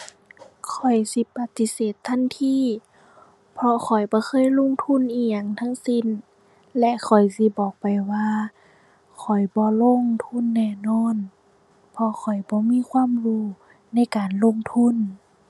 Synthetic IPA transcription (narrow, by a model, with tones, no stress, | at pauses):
kʰɔ˨˩jsi˧˦pa˧˦t̪ːi˧seː˨˩t̪ʰːa˧˥˨nt̪ʰiː˧˨ | pʰɔ˧xʰɔ˨˩jbɔː˧˦xʰɤː˧˥˨jlo˧˥˨ŋt̪ʰu˧˥˨nʔiː˧˩ja˧˨ŋt̪ʰa˧˥˨ŋsi˧˥˨n | lɛ˧ʔkʰɔ˨˩jsi˧˦bɔː˨˩k̚pa˨˩jwaː˧ | kʰɔ˨˩jbɔː˧˦lo˧˥˨ŋt̪ʰu˧˥˨nːɛː˧˩˨nɔː˧˥˨n | pʰɔ˧kʰɔ˨˩jbɔː˧˦miː˧˥˨kʰwaː˧˥˨mhuː˧˩ | na˧˥˨jkaː˨nlo˧˥˨ŋt̪ʰu˧˥˨n